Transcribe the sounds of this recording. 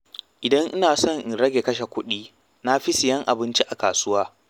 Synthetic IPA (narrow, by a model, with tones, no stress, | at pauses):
ʔɪ˨dɐ˦ŋʔɪ˦naː˨sɔ˦˨ŋʔɪ˨nɽɐ˦ɡʲe˨kɐ˦ʃe˨kʷʊ˦ɗiː˦ | na˦ɸi˦sɪ˨jɐ˦ŋʔa̰˨bɪ˦nt͡ʃi˦ʔa˨kaː˨sʊ˦waː˦